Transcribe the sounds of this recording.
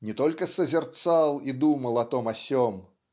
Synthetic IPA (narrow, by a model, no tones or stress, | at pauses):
nʲɛt̪ɔlʲkɐsɐzʲɛrt̪salˠid̪umɐlˠɐt̪ɔmɐsʲɔm